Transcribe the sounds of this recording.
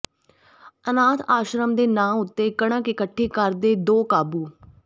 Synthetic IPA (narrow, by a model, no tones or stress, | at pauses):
ənaːt̪ʰaːʃɾəmd̪eːnaːmʊt̪ːeːkəɽãːkɪkəʈʰːeːkəɾd̪eːd̪oːkaːbuː